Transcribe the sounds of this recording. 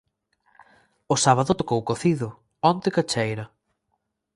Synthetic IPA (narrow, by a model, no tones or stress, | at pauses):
ʊsaβaðʊt̪okowkoθiðʊ | ɔnt̪ɪkat͡ʃejɾɐ